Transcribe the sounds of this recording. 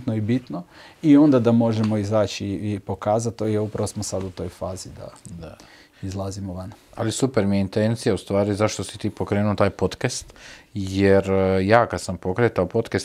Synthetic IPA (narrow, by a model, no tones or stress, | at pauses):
t̪noibit̪noio̞nd̪ad̪amo̞ʒemo̞izaːt͡ʃipo̞kaːzat̪ːojeupɾaʋosmosad̪ut̪o̞jfaːzid̪a̰ | izlˠazimoʋanaa̰lisupeɾmijeint̪ent̪sijaust̪ʋaːɾizaʃt̪o̞si̥t̪iːpo̞kɾeːnuot̪aːjpo̞t̪kast̪jeɾjaːkad̪sampo̞kɾet̪aopo̞t̪kast̪